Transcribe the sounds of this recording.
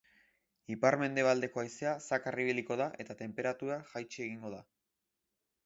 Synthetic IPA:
ipaɾme̞nd̪e̞β̞ald̪e̞ko̞ajse̞asakariβ̞iliko̞ðaʔe̞t̪at̪e̞mpe̞ɾat̪uɾaʝajt͡ʃieɣ̞iŋɡo̞ða

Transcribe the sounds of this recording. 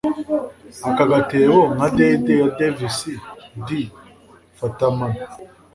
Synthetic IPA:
akaɡatewoŋadededevisidi | fataman

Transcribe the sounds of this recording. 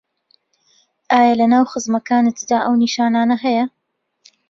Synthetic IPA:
ʔaːjɐlɐnaːwχɨzmɐkaːnɨt̪d̪aːʔɐwniːʃaːnaːnɐɦɛjɐ

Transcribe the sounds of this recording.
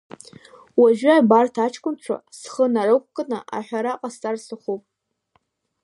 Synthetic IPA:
waʒᶣabartʰat͡ʃʰkʷʼʊnt͡ʃʷʰa̰sχənarɨkʷʰkʼənɨ̰ʔa̰ħʷᶣaɾaqʼast͡sʼarsɨχupʼ

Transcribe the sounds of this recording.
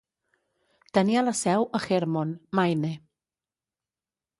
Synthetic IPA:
d̥ənjalˠəsɛwəχɪrmʊnmajnɛ

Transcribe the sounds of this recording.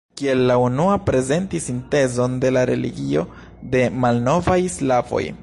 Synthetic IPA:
kie̞lːaunuapɾe̞ze̞ntisinte̞zo̞nde̞laɾe̞̰lḭɡio̞̰ | de̞malno̞vajslavo̞̰j

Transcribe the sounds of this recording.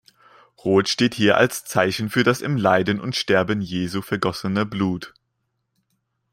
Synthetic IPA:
ʁoːtʃteːthiːɐʔa̰lst͡saɪçn̩fyːɐdasɪmlaɪdənʊ̰ntʃtɛɐbənjeːzuːfɛɐɡɔsənəbluːt

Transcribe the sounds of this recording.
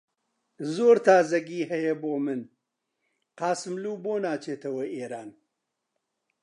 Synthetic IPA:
zoːɾt̪ʰaːzɐɡiːɦɐjɐboːmɨn | qɑːsɨmluːboːnaːt͡ʃeːt̪ɐwɐʔeːɾaːn

